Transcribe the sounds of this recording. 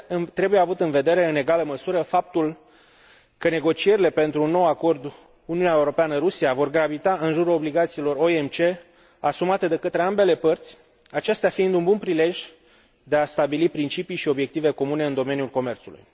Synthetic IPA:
t̪ɾe̞buje̞avut̪ɨnve̞d̪e̞ɾe̞ɨne̞ɡaləməsuɾəfap̚t̪ul | kəne̞ɡo̞t͡ʃie̞ɾile̞pe̞nt̪ɾuːnːo̞wako̞rd̪ | uniunaeuɾo̞peanəɾusiavo̞rɡɾavit̪aɨnʒuɾuo̞bliɡat̪silo̞ro̞emt͡ʃe̞ | asumat̪e̞d̪e̞kət̪ɾe̞ambe̞le̞pərt̪sʲ | at͡ʃe̞st̪eafiind̪unbunpɾile̞ʒʲ | d̪e̞ast̪abilipɾint͡ʃipijʃio̞bje̞k̚t̪ive̞ko̞mune̞ɨnd̪o̞me̞njulko̞me̞rt̪sulṵj

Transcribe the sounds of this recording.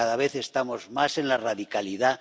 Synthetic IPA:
aðaβ̞e̞θe̞st̪amo̞zmase̞nlaraðikaliða

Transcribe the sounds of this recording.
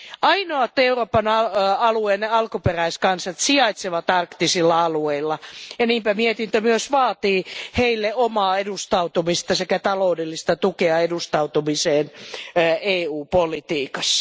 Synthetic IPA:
ɑinoɑt̪ːeuroːpɑnɑɑlueːneɑlkuperæiskɑnsɑt̪siɑit̪seʋɑt̪ɑrkt̪isilːɑɑlueilːɑjɑniːmpæmiet̪int̪ømyøsʋɑːt̪iːheilːeomɑːedust̪ɑut̪umist̪ɑsekæt̪ɑloudelːist̪ɑt̪ukeɑedust̪ɑut̪umiseːnː | eːuːpolit̪iːkɑs

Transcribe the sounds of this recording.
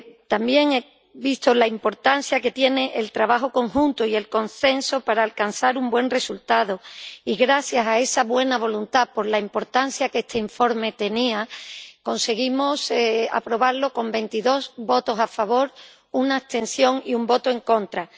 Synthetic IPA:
t̪ambje̞ŋe | βist̪olaimpo̞ɾt̪an̟θjake̞t̪je̞ne̞ʔelt̪ɾaβaxo̞ko̞ŋxunt̪oie̞lko̞nse̞nso̞paɾaːlkansaɾumbwe̞nre̞sult̪aðoiɣɾaθjasae̞saβwe̞naβ̞o̞lunt̪apo̞ɾlaimpo̞ɾt̪an̟θjakest̪ʰe̞iɱfo̞ɾme̞t̪e̞niako̞nse̞ɣimosea̰pɾo̞β̞aɾlo̞ko̞mbe̞nt̪iðo̞sβo̞t̪o̞safaβo̞ɾ | unaːt̪e̞nsjo̞ŋiumbo̞t̪oe̞ŋko̞nt̪ɾa

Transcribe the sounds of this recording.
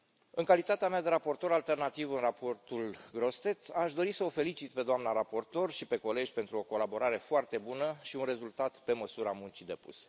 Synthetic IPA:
ɨŋkalit̪at̪eamead̪e̞ɾapo̞rt̪o̞ɾalt̪e̞rnat̪ivɨnrapo̞rt̪ulɡɾo̞st̪e̞t̪aʃd̪o̞ɾisəofe̞lit͡ʃit̪pe̞d̪oamnaɾapo̞rt̪o̞rʃipe̞ko̞le̞d͡ʒʲpe̞nt̪ɾuo̞ko̞labo̞ɾaɾe̞foart̪e̞bunəʃiunre̞zult̪at̪pe̞məsuɾamunt͡ʃid̪e̞pṵse̥

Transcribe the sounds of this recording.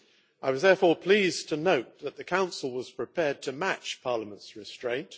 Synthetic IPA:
aɪwʌzðɛɹfɔɹpʰl̥iːztʰənoʊt̪̚ðət̪̚ðɨkʰãʊ̃nsəl̩ˠwʌz̥pʰɹ̥ɨpʰɛːd̚tʰəmæt͡ʃpʰɑɹləmə̃ntsɹɪstɹ̥ẽɪ̃nt

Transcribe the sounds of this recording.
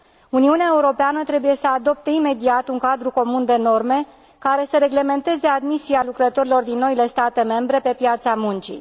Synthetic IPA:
uniuneaeuɾo̞peanət̪ɾe̞buje̞səad̪o̞p̚t̪eime̞d̪iat̪uŋkad̪ɾuko̞mund̪e̞no̞rme̞ | kaɾe̞səɾe̞ɡle̞me̞nt̪e̞ze̞ad̪misialukɾət̪o̞ɾilo̞rd̪inːo̞ile̞st̪at̪e̞me̞mbɾe̞pe̞pjat̪samunt͡ʃḭ

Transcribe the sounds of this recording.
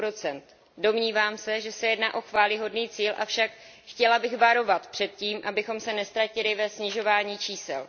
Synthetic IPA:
ɾot͡sɛnt̪ | do̞mɲiːvaːmsɛʒɛsɛjɛdnaːʔo̞xvaːlɪɦo̞dniːt͡siːlʔa̰fʃak | xcɛlabɪɣvaɾo̞vat̪pr̝̥ɛt̪ciːmʔabɪxo̞msɛnɛst̪ɾacɪlɪvɛsɲɪʒo̞vaːɲiːt͡ʃiːsɛ̰l

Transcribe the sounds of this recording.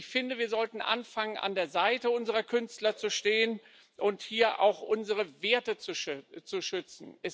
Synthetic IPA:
çfɪndəviːɐzɔltn̩ʔa̰nfaŋənʔa̰ndeːɐzaɪtəʊnzəʁɐkʰʏnstlɐt͡suʃteːən | ʔʊnthiːɐʔa̰ʊxʔʊnzəʁəveːɐtət͡suʃt͡suʃʏt͡sn̩ʔɛs

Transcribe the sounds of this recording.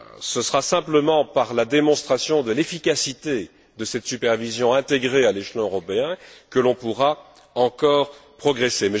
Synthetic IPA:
səsəʁasɛ̃pləmɑ̃paʁlad̪emɔ̃st̪χasjɔ̃d̪əlefikʲasit̪e | d̪əsɛt̪sypɛʁvizjɔ̃ɛ̃t̪eɡʁealeʃlɔ̃øʁɔpeɛ̃kəlɔ̃puʁa | ɑ̃kɔːʁpχɔɡʁesemɛ

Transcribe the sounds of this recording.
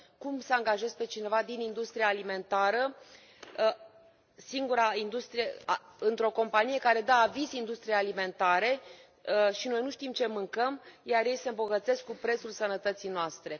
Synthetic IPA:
kumsəaŋɡaʒe̞z̚pe̞t͡ʃine̞vad̪inind̪ust̪ɾiaːlime̞nt̪aɾə | siŋɡuɾaind̪ust̪ɾijeaɨnt̪ɾo̞ko̞mpanije̞kaɾe̞d̪aːvizind̪ust̪ɾijejalime̞nt̪aɾe̞ | ʃino̞jnuʃt̪imt͡ʃe̞mɨŋkəmjarje̞jse̞ɨmbo̞ɡət̪se̞skːupɾe̞t̪sulsənət̪ət̪sijnoast̪ɾe̞

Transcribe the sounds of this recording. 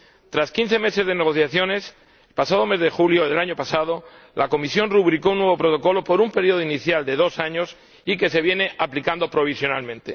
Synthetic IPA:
t̪ɾaskin̟θe̞me̞se̞zðe̞ne̞ɣ̞o̞θjaθjo̞ne̞s | lpasaðo̞me̞zðe̞xuljo̞ðelaɲo̞pasað̞o̞ | lako̞misjo̞nruβɾikounːweβo̞pɾo̞t̪o̞ko̞lo̞po̞ɾumpe̞ɾjo̞ðoiniθjald̪e̞ð̞o̞saɲo̞s | ike̞se̞βjene̞ʔaplikand̪o̞pɾo̞β̞isjo̞nalmẽ̞nt̪e

